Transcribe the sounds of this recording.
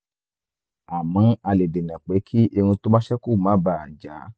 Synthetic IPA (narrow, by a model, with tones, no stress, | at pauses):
a˨mã˨˧˦a˧le˨de˨nã˨k͡pe˨˦kʰi˦ʔe˧ũ˧to˦mã˦ʃɛ˦ku˦˨mã˨˦ba˨d͡ʒa˨˦